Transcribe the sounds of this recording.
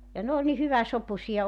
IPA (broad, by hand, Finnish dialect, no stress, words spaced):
jɑ n oːl ni hyʋæsopusiɑ